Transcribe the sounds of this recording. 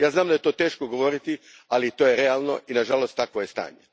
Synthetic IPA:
jaːznaːmd̪aje̞t̪o̞ːt̪e̞ːʃkoɡoʋo̞ɾit̪i | alit̪ojeɾealˠno̞̰ʔinaʒalost̪ːakʋojest̪a̰ːɲe

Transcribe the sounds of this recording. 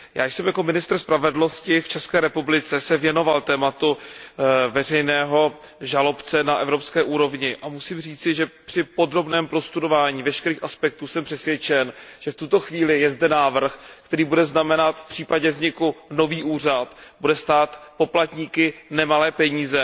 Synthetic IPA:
ja̰ːjʃsɛmjako̞mɪnɪst̪r̩spɾavɛdlno̞scɪft͡ʃɛskɛːɾɛpublɪt͡sɛsɛvjɛno̞valt̪ɛːmat̪u | vɛr̝ɛjnɛːɦo̞ | ʒalo̞pt͡sɛnaʔɛvɾo̞pskɛːʔuːɾo̞vɲɪʔamusiːmr̝iːt͡sɪʒɛpr̥ɪpo̞d̪ɾo̞bnɛːmpɾo̞st̪udovaːɲiːvɛʃkɛɾiːxʔaspɛk̚t̪uːsɛmpr̝̥ɛsvjɛt͡ʃɛnʒ̥ɛft̪ut̪o̞xviːlɪjɛzdɛnaːvr̩xkt̪ɛɾiːbudɛznamɛnat̪fpr̥iːpaɟɛvzɲɪkuno̞viːʔuːr̝at̪budɛst̪aːt̪po̞plat̪ɲiːkɪnɛmalɛːpɛɲiːzɛ

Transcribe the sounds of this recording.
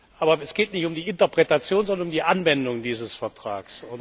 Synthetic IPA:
ʔaːbɐɛsɡ̥eːtnɪçtʊmdiːɪntɐpʁ̥ɛtat͡sjoːnzɔndɐnʊmdiːʔanvɛndʊŋdiːzəsfɛɐtʁ̥a̰ːksʊn

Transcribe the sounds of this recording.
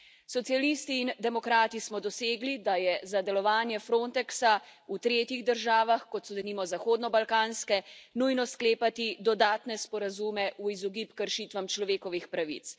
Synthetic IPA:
sɔt̪sijalist̪iːnd̪ɛmɔkɾaːt̪ismɔd̪ɔseːɡlid̪ajɛzad̪ɛlɔʋaːnjɛfɾoːnt̪ɛksaut̪ɾeːt̪jiɣd̪əɾʒaːʋaxkɔt̪sɔd̪ɛniːmɔzaxoːd̪nɔbalkaːnskɛnujnɔskleːpat̪id̪ɔd̪aːt̪nɛspɔɾazumɛʔuizɔɡipkəɾʃiːt̪ʋamt͡ʃlɔʋeːkɔʋixpɾaʋḭt̪s

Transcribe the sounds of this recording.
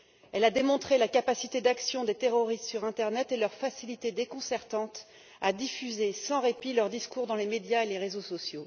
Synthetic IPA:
ɛlad̪emɔ̃t̪χelakapasit̪ed̪aksjɔ̃d̪et̪eʁɔʁist̪syʁɛ̃t̪ɛʁnɛt̪elœʁfasilit̪ed̪ekɔ̃sɛʁt̪ɑ̃t̪ | ad̪ifyzesɑ̃ʁepilœʁd̪iskuʁd̪ɑ̃lemed̪jaeleʁezosɔsjo

